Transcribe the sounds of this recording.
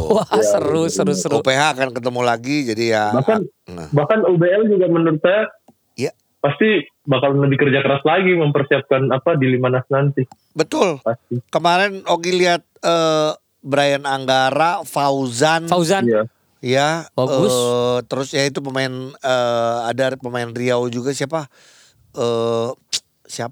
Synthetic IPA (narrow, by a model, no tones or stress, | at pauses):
aəɾʊsəɾʊsəɾopeɦaːkankət̪̬əmulaɡid͡ʒadijabahkanna̰bahkanubeɛld͡ʒuɡamənuɾɪt̪̚saja | ja | past̪i | bahkalləbɪhkərd͡ʒakəɾaslaɡiməmpərsiap̚kanapadilimanasnant̪ɪ | bət̪ʊlpast̪ikəmaɾɛnoɡiliɦat̪̚ə | bəɾajanaŋɡaɾafauzanfauzanja | jabaəɡʊst̪əɾʊsjait̪̬up̬əmaɪnəadapəmaɪnriawd͡ʒuɡasiapa | ʔəː | siap